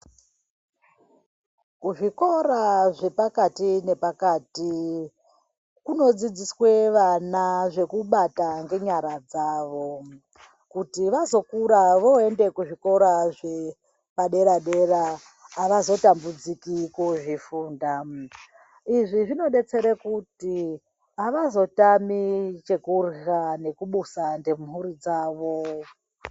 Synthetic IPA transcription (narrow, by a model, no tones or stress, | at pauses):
kuʐiko̞ɾaʐe̞pakatine̞pakaːti | kuno̞d͡zid͡ziswe̞ʋanaʐe̞kuɓataŋɡe̞ɲaɾad͡zaːʋo̞ | kutiʋazo̞kuɾaʋo̞ende̞kuʐiko̞ɾaʐe̞ | paɗe̞ɾaɗe̞raː | ʋazo̞tambud͡zikikuʐifuːnda | iʐiʐino̞ɗe̞t͡se̞ɾekuti | aʋazo̞tamit͡ʃe̞kurɣanekuɓusandemɦuɾid͡zaːʋo̞